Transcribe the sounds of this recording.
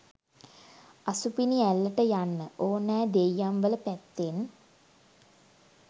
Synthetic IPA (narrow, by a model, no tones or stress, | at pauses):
asupiniælːəʈəjanːəʔoːnːæːd̪ejːamʋələpæt̪ːen